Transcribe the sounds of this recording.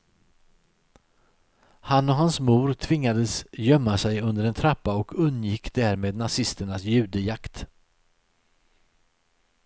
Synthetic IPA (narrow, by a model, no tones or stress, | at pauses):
hanːɔɦansmuːɾt̪ʰvɪŋːad̪əsjœmːasɛjɵnd̪əɾɛnt̪ʰɾapːaɔkʰɵnːjɪkːd̪æːɾmeːd̪nasɪst̪əɳasjʉ̟ːd̪əjakt̪